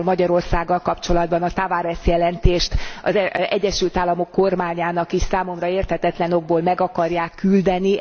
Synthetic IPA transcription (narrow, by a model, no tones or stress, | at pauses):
lmɒɟɒɾo̞rsaːɡːɒlkɒpt͡ʃo̞lɒd̪̚bɒnɒt̪avaːɾɛsjɛlɛnt̪eːʃt̪ɒ̰zɛɟːɛʃylt̪aːlːɒmo̞kːo̞rmaːɲaːnɒkiʃsaːmo̞mrɒeːrt̪hɛt̪ɛt̪lɛno̞ɡ̚boːlmɛɡɒkɒrjaːkːyld̪ɛni